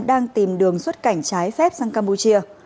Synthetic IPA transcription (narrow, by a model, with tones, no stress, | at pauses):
ɗaː˧ŋt̪i˨˩mɗɨ˨˩əŋswə˦˥t̚ka˧˩jŋ̟t͡ɕaː˨˦jfɛ˦˥p̚saː˧ŋkaː˧mpu˧t͡ɕi˧ə